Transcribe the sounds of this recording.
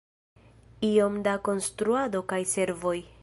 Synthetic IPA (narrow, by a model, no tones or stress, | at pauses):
io̞mdako̞nstɾuado̞kajse̞ɾvo̞j